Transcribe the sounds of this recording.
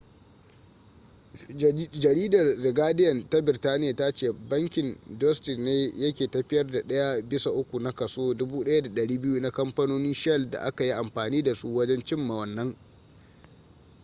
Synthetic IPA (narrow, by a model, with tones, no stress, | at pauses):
d͡ʒɐ˨ɾiː˦dɐ˨rzɪ˨ɡaː˦dɪ˦jɐ˨nta˦bɪ˨rtaː˦nɪ˦a˨ta˦t͡ʃeː˨bɐ˦ŋkʲɪ˨ndɔ˦stɪ˨neː˦jɐ˦kʲeː˨tɐ˨ɸɪ˦jɐ˦rda˨ɗɐ˦ja˦bɪ˦sa˨ʔʊ˦kʷu˨na˦kɐ˨soː˦dʊ˦buː˦ɗɐ˦ja˦da˨ɗɐ˨ɽiː˦bɪ˦ju˦na˦kɐ˦mɸɐ˦noː˦nɪ˦nʃɛ˦lda̰˨ʔa˦ka˨ji˦ʔa˨mɸaː˨niː˦da˨su˦wɐ˦d͡ʒɛ˦nt͡ʃɪ˦mːa˨wɐ˨nːɐ˦ŋ